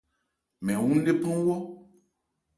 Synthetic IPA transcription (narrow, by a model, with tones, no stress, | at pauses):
mɛ̃˨wũ˦n̩˦ɖe˦pã˦wɔ˦